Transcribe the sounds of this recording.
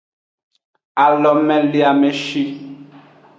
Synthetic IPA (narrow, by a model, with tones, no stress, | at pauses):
a˨lɔ˨mɛ̃˦li˦a˨mɛ˦ʃi˦